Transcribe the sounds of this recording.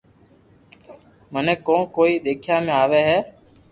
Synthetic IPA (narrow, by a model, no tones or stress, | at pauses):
mənẽːkõːkoːiːɗ̪eːkʰjãːmẽaːʋeːɦɛː